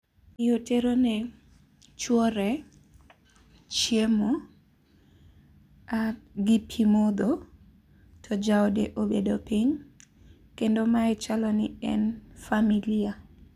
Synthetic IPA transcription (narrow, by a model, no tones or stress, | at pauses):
ɪoteɾonɛ | t͡ʃwɔɾɛ | t͡ʃjemo | aɡipʰimod̪o | tʰɔd͡ʒaɔdeʔobedopiɲ | kendomaɛt͡ʃalɔnɪɛnfamilia